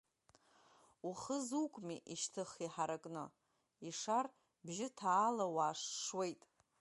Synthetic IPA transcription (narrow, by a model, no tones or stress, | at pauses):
uχəzukʷʼmiʔiʃtʰɨχiħaɾakʼnɨ | iʂar | bʒɪtʰaːlawaːʂʂwe̞jtʼ